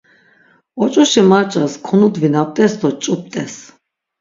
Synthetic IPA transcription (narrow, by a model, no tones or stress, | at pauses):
ɔt͡ʃʼuʃimaɾt͡ʃʼaskʰɔnud̪vinap̚t̪ʼɛsd̪ɔt͡ʃʼup̚t̪ʼɛs